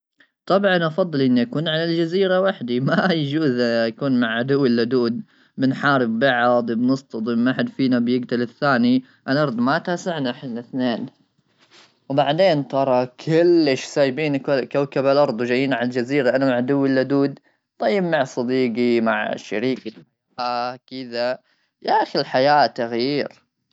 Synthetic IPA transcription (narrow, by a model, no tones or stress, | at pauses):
t̪ˤɑbʕɑnʔɑfɑðˤːɨlʔɪnːiʔakuːnʕalald͡ʒaziːɾawaħd̪imajd͡ʒuːzjakuːnmaʕʕad̪ʊwːɪlːad̪uːd̪̚ | mɪnħaːɾɪbbɑʕɑd̪ˤbnɨst̪ɑd̪ˤɪmʔaħɪd̪fiːnabjɪɡt̪alɪθːaːni | ʔɪlʔɑɾˤd̪ˤmat̪aːsaʕnʔaħd̪nɪθneːn | wbaʕd̪eːnt̪ɑɾˤɑkʰɪlːɪʃsaːjbiːnkawkabalʔɑɾˤd̪ˤwd͡ʒajːiːnʕald͡ʒaziːɾaʔanamaʕd̪ʊwːɪlːad̪uːd̪ | t̪ˤɑjːɪbmaʕsˤɑd̪iːɡimaʕʃa̰ɾiːk | akɪða | jaʔaxilħajaːt̪aɣjiːɾ